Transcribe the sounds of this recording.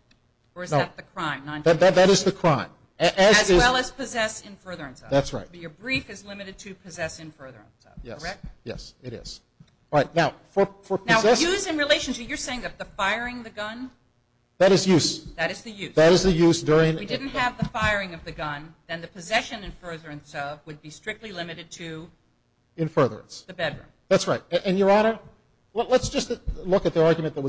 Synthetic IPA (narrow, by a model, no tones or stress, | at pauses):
ə˞ɨznoɨt̪̚ðɨkʰɹ̥ãɪ̃mnãððɨtðɨɾɨzðɨkʰɹ̥ãɪ̃m | ʔɨzzɪwɛlˠəz̥pʰɨzɛsɨ̃nfɜ˞ðə˞ɨ̃nsʌ̰ðætsɹa̰ɪt̚ə˞bɹifɨzlɪ̃mɨɾɨd̚tʰɨpʰɨzɛsɨ̃nfɜ˞ðə̰˞ə̰̃nsʌ̰jɛ̰ɛk̚jɛ̰sɨɾɪ̰z̥ | ɹaɪt̚ⁿnaʊfə˞fə˞pʰnaʊzɛjʉzɨ̃nɹileɪʃɨ̃n̩ʃɨpjə˞seɪɪ̃ŋðɨt̪̚ðəfaɪə˞ɪ̃ŋðɨɡʌ̃n | ðɨɾɨzjʉsðɨɾɨzðɨjʉðɨɾɨzðɨjʉzdʊɹɪ̃ŋwidɪdⁿn̩t̚ɦɨvðəfaɪ˞ɪ̃ŋʌvðɨɡʌ̃nðɨ̃nðɨpʰɨzɛʃɨ̃nɨ̃nfɜ˞ðə˞ɨ̃nsʌvwɨd̚bistɹ̥ɪk̚tˡlilɪ̃mɨɾɨd̚tʰɨ | ɨ̃nfɜ˞ðə̰˞ɨ̰̃nsðɨbɛdɹʉ̰̃mðætsɹaɪt̚ɨ̃ʔɨ̃njə˞ɑnə˞ | llətsd̥ʒ̥ʌstlʊkɨt̪̚ðiɑɹɡjmɨ̃nðət̚wʌ